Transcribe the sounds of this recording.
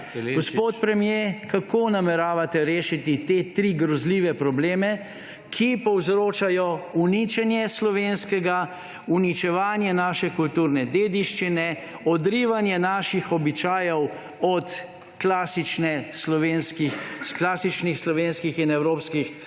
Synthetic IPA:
ɡɡɔspoːt̪pɾɛmjekakoːnamɛɾaːʋat̪ɛɾeːʃit̪it̪et̪ɾiːɡɾɔzliːʋɛpɾɔbleːmɛ | kʰipɔwzɾoːt͡ʃajɔunit͡ʃɛnjɛslɔʋeːnskɛɡa | unit͡ʃɛʋaːnjɛnaːʃɛkult̪uːɾnɛd̪eːd̪iʃt͡ʃinɛ | ɔd̪ɾiːʋanjɛnaːʃixɔbit͡ʃaːjɛw | ɔt̪ | klaːsit͡ʃnɛslɔʋeːnskixklaːsit͡ʃnixslɔʋeːnskixinɛwɾoːpskix

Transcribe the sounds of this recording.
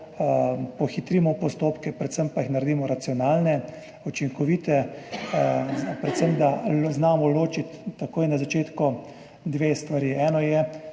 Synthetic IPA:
pɔxit̪ɾimɔpɔst̪oːpkɛpɾɛt̪səmpaixnaɾd̪iːmɔɾat̪siɔnaːlnɛ | ut͡ʃiŋkɔʋiːt̪ɛ | pɾɛt̪səmd̪aznaːmɔloːt͡ʃit̪ːakoːjnazat͡ʃeːt̪kɔ | d̪ʋeːst̪ʋaɾiɛːnɔjɛ

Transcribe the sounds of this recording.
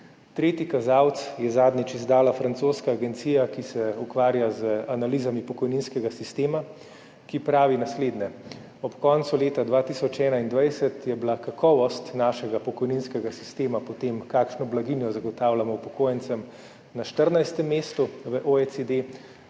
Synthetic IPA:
t̪ɾeːt̪ikazawt̪sjɛzaːd̪nʲit͡ʃizd̪aːlafɾantsoːskaːɡɛnt̪sijakisɛukʋaːɾjazəanaliːzamipɔkɔjninskɛɡasist̪eːma | kipɾaːʋinasleːd̪nɛ | ɔpkɔːnt̪suleːt̪ad̪ʋaːt̪isɔt͡ʃɛːnaind̪ʋajsɛt̪jɛbilakakɔːʋɔst̪naːʃɛɡapɔkɔjninskɛɡasi̥st̪eːmapɔt̪emkaːkʃnɔblaɡinjɔzaɡɔt̪aːwlamɔpɔkoːjɛnt̪sɛm | naʃt̪əɾnajst̪ɛmːeːst̪uʋəʔoɛt̪sed̪e

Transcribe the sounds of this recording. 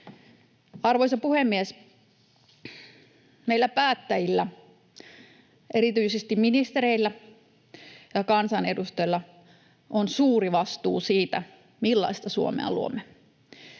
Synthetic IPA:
ɑrʋoisɑpuhemːies | meilːæpæːt̪ːæjilːæ | ʔeɾit̪yisest̪imminist̪eɾeilːæ | jɑkɑnsɑnedust̪ojlːɑ | ʔonsuːriʋɑst̪ṵːsiːt̪æ̰ | milːɑ̰ist̪ɑsuo̰mḛɑ̰luo̰mːe

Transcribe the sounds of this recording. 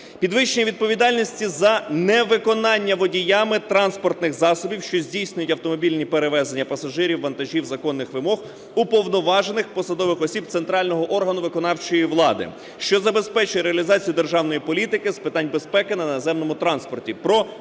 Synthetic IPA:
pʲid̪ʋɪʃt͡ʃenʲɐʋʲid̪̚pɔʋʲid̪ɑlʲnʲisʲtʲizɐnɛʋɪkɔnɑnʲːɐʋɔdʲijɑmɪt̪ɾɑnspɔrt̪nɪxzɑsɔbʲiwʃt͡ʃɔzʲdʲijsʲnʲʊjʊtʲɐwt̪ɔmɔbʲilʲnʲipeɾeʋɛzenʲːɐpɐsɐʒɪɾʲiwːɐnt̪ɐʒʲiwzɐkɔnːɪxʋɪmɔɣ | upɔwnɔʋɑʒenɪxpɔsɐd̪ɔʋɪxɔsʲib̚t̪sent̪ɾɑlʲnɔɦɔʔɔrɦɐnʊʋɪkɔnɑwt͡ʃɔjiʋlˠɑd̪ɪ̰ | ʃt͡ʃɔzɐbespɛt͡ʃʊjɛɾeɐlʲizɑt͡sʲijʊd̪erʒɑwnɔjipɔlʲit̪ɪkɪspɪt̪ɑnʲbespɛkɪnɐnɐzɛmnɔmʊt̪ɾɑnspɔrtʲipɾɔ

